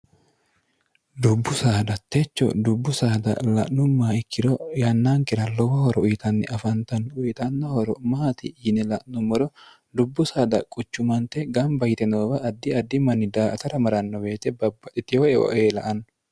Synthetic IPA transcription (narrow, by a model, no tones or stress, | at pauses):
d̪ʊbːʊsaːd̪ɐt̪ːet͡ʃːɔ̰d̪ʊbːʊsaːd̪ɐ̰lɐ̰ʔnʊmːaːɪkːɪd̪ɔjɐnːaːŋkɪɾɐlɔwɐhɔɾɔʊjt̪ɐnːɪʔɐfɐnt̪ɐnʊjt̪ʼɐnːɐhɔɾɔmaːt̪ɪɪnɛlɐʔnʊmɔɾɔ | d̪ʊbːʊsaːd̪ɐkʼʊt͡ʃːʊmɐnt̪ɛɡɐmbɐjt̪ɛnoːbɐʔːd̪ːɪɐd̪ːɪmɐnːɪd̪aːɐt̪ɐɾɐmɐɾɐnːɔweːt̪ɛbɐbːɐt̪ɪt̪ɪɔɛɔ̰ʔeːlɐ̰ʔɐn